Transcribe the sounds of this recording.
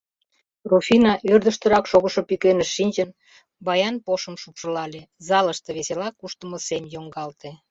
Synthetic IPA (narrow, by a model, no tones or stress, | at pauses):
rufʲinɑʔørd̪ə̆ʃt̪ə̆ɾɑkʃoɣə̆ʃopikenə̆ʃːinʲt͡ɕən | bɑjɑnpoʃə̆mʃupʃəlɑlezɑləʃt̪ə̆βeselɑkːuʃt̪əməsemjoŋɡɑlt̪e